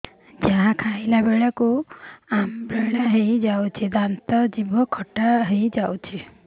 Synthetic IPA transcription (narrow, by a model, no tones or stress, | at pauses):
d͡ʒaɦãkʰailabeɭakuambeɭaɦejd͡ʒawt͡ʃʰid̪ant̪ɔd͡ʒibɔkʰɔʈaɦejd͡ʒawt͡ʃʰi